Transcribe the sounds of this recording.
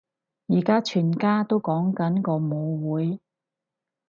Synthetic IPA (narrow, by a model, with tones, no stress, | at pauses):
jiː˨˩kaː˥t͡ʃʰyː˨˩nkaː˥t̪o˥wkɔː˨˥ŋkɐ˨˥nkɔː˧mo˨˧wwuː˨˧˥j